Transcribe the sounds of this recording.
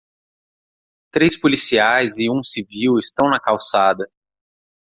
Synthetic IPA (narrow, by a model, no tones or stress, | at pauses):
t̪ɾejspolisiajzɪũsiviwɪst̪ɐ̃w̃nɐkawsad̪ɐ